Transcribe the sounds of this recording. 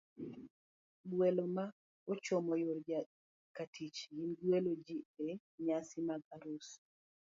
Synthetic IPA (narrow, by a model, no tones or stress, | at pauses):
bweloma | ot͡ʃomɔjoɾd͡ʒa | katʰit͡ʃjinɡwelod͡ʒie | ɲasimaɡaɾus